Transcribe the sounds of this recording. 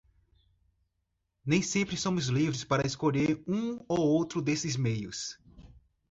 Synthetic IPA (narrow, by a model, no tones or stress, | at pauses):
nẽj̃sẽmpɾɪsõmʊzlivɾɪspaɾɐeskoʎeɾũowowt̪ɾʊd̪esɪzmejʊs